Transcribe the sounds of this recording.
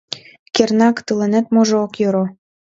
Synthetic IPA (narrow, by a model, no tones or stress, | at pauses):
kernɑkt̪ɯlenet̪moʒookjøɾo